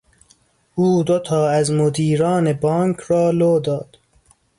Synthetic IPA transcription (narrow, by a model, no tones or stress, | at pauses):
uːd̪ot̪ʰɒːæzmod̪iːɾɒːnebɒːŋkʰrɒːloːd̪ɒːd̪̥